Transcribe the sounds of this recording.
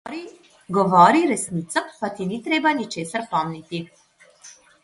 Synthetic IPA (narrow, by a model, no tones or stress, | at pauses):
ɾi | ɡɔvɔɾiɾɛsnit̪sapat̪init̪ɾɛbanit͡ʃɛsəɾpɔmnit̪i